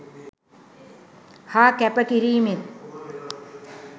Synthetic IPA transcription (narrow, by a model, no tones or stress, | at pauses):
haːkæpəkiɾiːmet̪